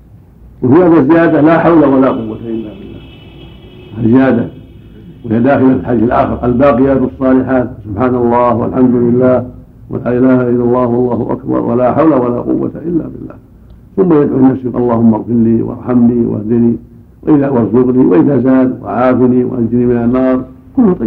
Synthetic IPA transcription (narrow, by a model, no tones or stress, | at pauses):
wɪfihaːðazɪjaːd̪alaːħawlawalaːqʊwːat̪aʔɪlːabɪlːaː | hazɪjaːd̪a | whijad̪aːxɪlalħad̪iːθalʔa̰ːxɪɾˤʔalbaːqɪjaːt̪ɑsˤːɑːlɪħaːt̪sʊbħaːnɑlˤːɑːhwa̰lħamd̪ʊlɪlːaːh | wʔa̰laːʔɪlaːhaʔɪlːalˤːɑːhwɑlˤːɑːhʊʔa̰kbɑ̰ɾˤwa̰laːħawlawala̰qʊ̰wːa̰t̪aʔɪlːa̰bɪlːa̰ːh | θʊmːajad̪ʕulɪnafsiɑlˤːɑːhʊmːɑɣfɪɾliwɑ̰ɾˤħamliwa̰hd̪ɪni | waʔɪðawɑɾˤzʊɣniwaʔɪðaːzaːd̪wa̰ʕaːfiniwa̰ʔanzɪnimɪnanːɑːɾˤ | kʊlːhat̪ˤɑ